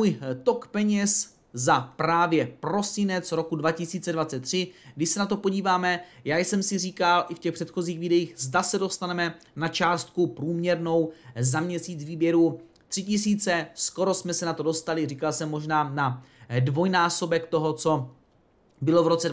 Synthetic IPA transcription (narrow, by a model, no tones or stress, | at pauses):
uːjt̪okpɛɲɛs | zapɾaːvjɛpɾo̞sɪnɛt͡sɾo̞kudvacɪsiːt͡sɛdvat͡sɛt̪ːr̝̥ɪɡdɪʃsɛnat̪o̞po̞ɟiːvaːmɛjaːjsɛmsɪriːkalʔɪfcɛxpr̥ɛt̪xo̞ziːxviːdɛjiːxzdasɛdo̞st̪anɛmɛ | nat͡ʃaːst̪̚kupɾuːmɲɛɾno̞wzamɲɛsiːt͡sviːbjɛɾu | t̪r̥ɪcɪsiːt͡sɛsko̞ɾo̞smɛsɛnat̪o̞do̞st̪alɪriːkalsɛmːo̞ʒnaːnadvo̞jnaːso̞bɛkt̪o̞ɦot͡so̞ | bɪlo̞vɾo̞t͡sɛ